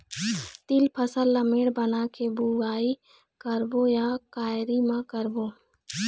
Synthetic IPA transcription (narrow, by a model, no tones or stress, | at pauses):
t̪ɪlpʰəsəlːəmeɽbənakebuɡaːi | kəɾbojakaːɾimãkəɾboː